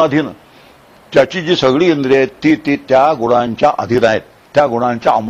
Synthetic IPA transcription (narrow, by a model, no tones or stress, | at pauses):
ad̪ʱin | t̪jat͡ɕid͡ʑiːsəɡɭiːind̪ɾet̪ːit̪it̪jaɡuɽ̃ãɲt͡ɕjaʔəd̪ʱinaɦḛt̪ | t̪ːjaɡuɽ̃ãɲt͡ɕjaəm